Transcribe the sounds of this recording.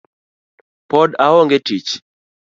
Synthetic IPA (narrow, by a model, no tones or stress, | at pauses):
pɔdawɔŋɡɛtit͡ʃ